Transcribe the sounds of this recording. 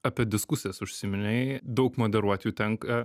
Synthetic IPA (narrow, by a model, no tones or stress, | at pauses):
ɐpʲiɛd̪ʲɪskʊsʲɪjɛsʊʃʲsʲɪmʲɪnʲɛɪd̪ɐʊkmoːd̪ʲɛɾuɔt̪ʲjuːt̪ʲɛŋk